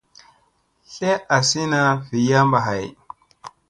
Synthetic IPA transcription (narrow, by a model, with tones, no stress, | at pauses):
ɬe˦a˨si˦na˨vi˨ja˦mba˨ɦa˨j